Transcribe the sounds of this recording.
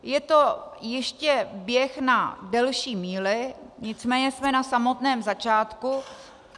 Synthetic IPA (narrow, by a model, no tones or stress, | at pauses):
jɛt̪ojɪʃcɛbjɛxnadɛlʃiːmiːlɪɲɪt͡smɛːɲɛsmɛnasamo̞t̪nɛːmzat͡ʃaːt̪ku